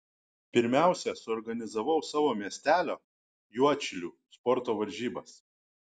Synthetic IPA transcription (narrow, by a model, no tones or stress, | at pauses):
pʲɪɾʲmʲæˑʊsʲɛsʊɔɾɡɐnʲɪzɐʋɐʊsɑːʋoːmʲiɛsʲt̪ʲæːlʲoː | juɔt͡ʃʲɪlʲuː | spɔɾt̪oːʋɐɾʲʒʲiːbɐs